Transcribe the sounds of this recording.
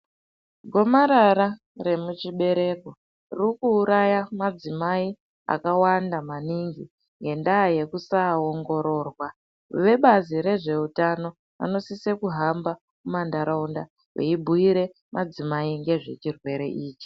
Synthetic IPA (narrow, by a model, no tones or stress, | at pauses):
ɡʱo̞maɾaɾa | re̞mut͡ʃiɓe̞ɾe̞ːko̞ | rrikuːɾajamad͡zimai | a̰kawandamaniŋɡi | ŋɡe̞ndaːje̞kusaoŋɡo̞ɾo̞ːrwa | ʋe̞ɓaziɾe̞ʐe̞utano̞ | a̰no̞sisekuɦamba | mumandaɾaunda | wḛibʱuiɾe̞ | mad͡zimaiŋɡe̞ʐe̞̰t͡ʃirwe̞ɾe̞̰ʔiːt͡ʃi̥